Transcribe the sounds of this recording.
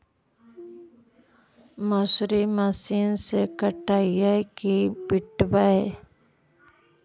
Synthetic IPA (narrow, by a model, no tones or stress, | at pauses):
məsɾimasiːnsekəʈaːijakibɪʈwaɛ